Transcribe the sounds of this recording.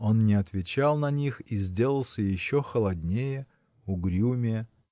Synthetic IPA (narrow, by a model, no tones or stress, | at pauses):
o̞nnʲɪɐt̪vʲɪt͡ɕalˠnɐnʲixizʲdʲe̞lˠəlˠsʲəjɪɕːoxəlˠɐdʲnʲejə | ʊɡɾʲumʲɪj